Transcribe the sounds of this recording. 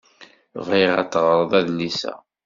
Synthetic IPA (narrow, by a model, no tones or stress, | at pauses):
viʁæ̰t̪ːʁəɾˤðˤæðnisæ̰